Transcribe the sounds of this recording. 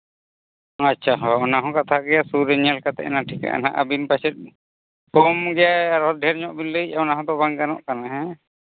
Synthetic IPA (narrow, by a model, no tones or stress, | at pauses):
atːt͡ʃʰaɦɔɔnaɦɔ̃kat̪ʰaɡɛjasuɾɛɲalkat̪ɛ̰ʔɛ̰naʈʰika̰ʔa̰na̰ʔa̰binpasɛt̪̚ | pɔmɡɛjaaɾɔt̪̚dʱɛɾɲɔʔbinləc̚aɔnaɦɔ̃d̪ɔbaŋkanɔ̰ʔkanaɦɛ̃